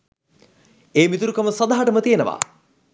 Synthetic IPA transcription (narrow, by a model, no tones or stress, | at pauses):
eːmit̪uɾukɐməsɐd̪aɦaʈəmət̪ijenəʋa̰ː